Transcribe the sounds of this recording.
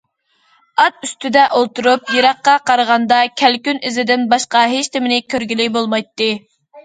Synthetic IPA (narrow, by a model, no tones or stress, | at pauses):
ɑt̪yst̪ʰyd̪ɛʔolˠt̪uɾupjiɾɑqːɑqʰɑɾʁɑnd̪ɑkʲʰælkʲynɪzɪd̪ɪnbɑʃqɑɦeʃt̪ʰɪmɪnɪkʲʰøɾɡʲilɪbolˠmɑjt̪ːɨ